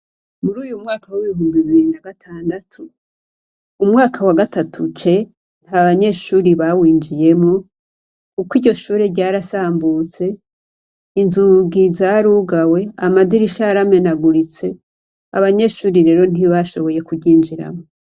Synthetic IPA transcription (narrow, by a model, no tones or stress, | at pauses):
muɾuːjumŋaːkʰawiβiɦuːmbiβiɾinaɡatʰaːndatʰu | mŋaːkʰawaɡatatʰut͡ʃe̞ | n̥haβaɲe̞ːʃuːɾiβawiːnd͡ʒije̞mo | kukwiːɟɟo̞ʃuːɾeɟaːɾasaːmbut͡se̞ | inzuɡizaɾuɡawe̞amadiɾiʃaɾame̞naɡuɾit͡se̞ | a̰βaɲe̞ːʃuːɾiɾe̞ːɾo̞n̥iβaʃo̞βo̞je̞kuɟiːnd͡ʒiɾa̰mo